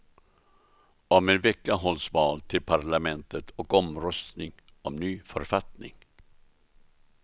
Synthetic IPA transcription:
ɔmɛnvɛkːaɦɔlsvɑːlt̪ʰɪlpʰaɾɭamɛnt̪ət̪ʰɔkɔmɾœst̪nɪŋ | ɔmnyːfœ̰ɾfat̪nɪ̰ŋ

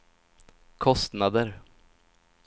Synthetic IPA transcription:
kʰɔst̪nad̪əɾ

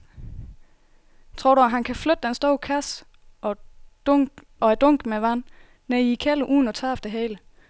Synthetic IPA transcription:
t͡sʰʁo̝ɐ̰ɾuæɦænkʰæflød̥d̥ensd̥ɔʊkʰæs | ɒæd̥ɔ̽ŋ̰ɡ̥meʋæn̰ː | eikʰæləʔuːn̩ɒt͡sʰɑ̈fd̥əɦɛːlə

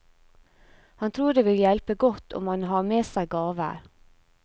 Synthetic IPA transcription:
hɑnt̪ʰɾuːɖeːʋɪljɛlpəɡɔt̪ʰɔ̰mɑnɦɑːmeːsæɪɡɑːʋə̰ɾ

